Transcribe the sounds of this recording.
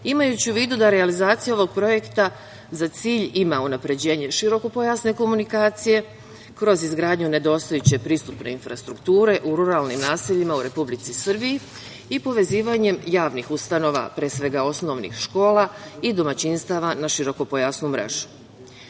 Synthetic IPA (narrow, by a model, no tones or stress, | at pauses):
imajut͡ɕiuʋiːd̪ud̪aɾealizaːt̪sijao̞ʋo̞ɡ̚pɾo̞je̞kt̪a | zat̪siːʎimaunapɾe̞d͡ʑe̞ːɲe̞ʃiɾo̞ko̞po̞jasne̞ko̞munikaːt̪sije̞ | kɾo̞zizɡɾaːd̪ɲune̞d̪o̞ːst̪ojut͡ɕe̞pɾiːst̪upne̞infɾast̪ɾukt̪uːɾe̞ʔuɾuɾalnimnaːsiʎimauɾe̞publit̪sisr̩biji | ipo̞ʋe̞ziːʋaɲe̞mjaːʋnixust̪ano̞ːʋa̰pɾeːsʋe̞ɡao̞sno̞ʋnḭxʃko̞ːlaid̪o̞mat͡ɕinst̪aːʋanaʃiɾo̞ko̞po̞jasnumɾe̞̰ʒu̥